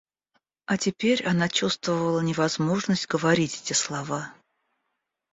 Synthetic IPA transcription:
ɐtʲɪpʲeɾʲɐnat͡ɕust̪vəvəlˠənʲɪvɐzmo̞ʐnəsʲtʲɡəvɐɾʲitʲɛtʲɪslˠɐva

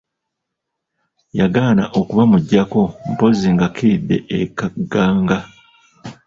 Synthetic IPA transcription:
jaɡaːna̰ʔokuβamuɟːako̞mpo̞ziŋɡakʰiidːe̞̰ʔekaɡaːŋɡa

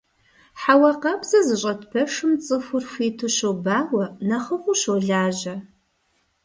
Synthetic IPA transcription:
ħawɐqɐbz̥ɐzɨɕʼɐtpʰɐʂɨmt͡sʼɨfʷʊrfʷiːtʰɨɕowbaːwɐnɐχəχʷʊɕoɮaːʑɐ

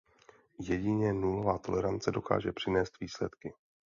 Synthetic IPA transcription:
jɛɟɪɲɛnulo̞vaːt̪o̞lɛɾant͡sɛdo̞ka̰ːʒɛpr̝̥ɪnɛːst̪viːslɛt̪kɪ

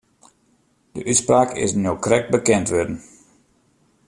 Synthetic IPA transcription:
d̥əʔytspraːkʰɪ̰snjokrɛk̚bəkɛntʋødn̩

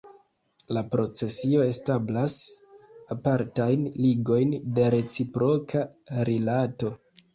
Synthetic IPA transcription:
lapɾo̞t͡se̞sio̞e̞stablas | apaɾtajnliɡo̞jnde̞ɾe̞t͡sipɾo̞kʰaɾilato̞

